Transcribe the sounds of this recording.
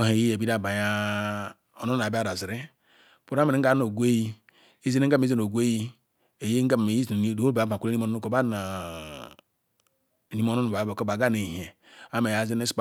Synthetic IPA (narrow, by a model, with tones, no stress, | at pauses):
o˦ɦe˨ji˦je˨bi˦da˦˨ba˨ja˦ | o˨no˦˨a˨bi˦a˦ɾa˨zi˨ɾe˦ | pu˦ɾa˦m̩˨˦ɡa˦no˨ɡʷe˦ji˦ | i˦ze˦ne˦a˦˨e˦ze˦n˨o˨ɡʷe˦ji˦ | e˨je˦ŋ̩˦ɡa˦˨e˨ji˦zdo˦ba˨˦ba˨ke˦i˦mo˨n˦ko˨ba˦na˨ | ni˦mo˦no˦nu˨a˨˦˨ko˦ba˨ɡa˦ne˨ɦe˨ | a˦me˨ja˨˦ze˦ne˦sp